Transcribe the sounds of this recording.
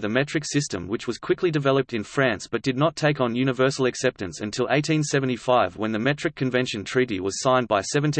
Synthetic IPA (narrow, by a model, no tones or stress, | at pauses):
ðɨmɛt͡ʃɹ̥ɨksɪstɨ̰̃mwɨt͡ʃwʌz̥kʰw̥ɪklidɨvɛlˠəp̚tɨ̃nfɹæ̃nsb̥ʌt̚d̥ɨdⁿnətʰeɪkn̩jʉñɨvɜ˞sl̩ˠɨksɛp̚tɨ̃nsɨ̃ntʰɪlˠʔḛɪtĩnsɛṽn̩tifaɪvwə̃nðɨmɛt͡ʃɹ̥ɨkʰːɨ̃ɱvɛ̃nʃɨ̃ntʰɹ̥iɾiwʌz̥sãɪ̃nbaɪsɛvɨ̃n̩t